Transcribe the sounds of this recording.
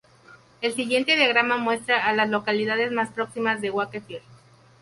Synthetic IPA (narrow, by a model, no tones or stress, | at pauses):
e̞lsiɣje̞nt̪e̞ðjaɣ̞ɾamamwe̞st̪ɾaːlazlo̞kaliðaðe̞zmaspɾo̞ksimazðe̞ɣwakefeɾ